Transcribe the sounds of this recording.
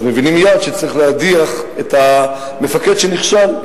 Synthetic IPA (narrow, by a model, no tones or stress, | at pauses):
zmevinimjad̪ʃet͡saʁiχlead̪iaχet̪ha | me̞faked̪ʃeniχʃal